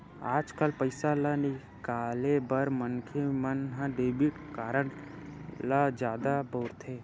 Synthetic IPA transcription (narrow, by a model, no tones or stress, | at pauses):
aːd͡ʒkəlpəɪsalanɪ | kaːlebəɾmənkʰemənɦãɖeːbiʈkaːɾəɳ | lad͡ʒjaːd̪aboːɾt̪ʰeː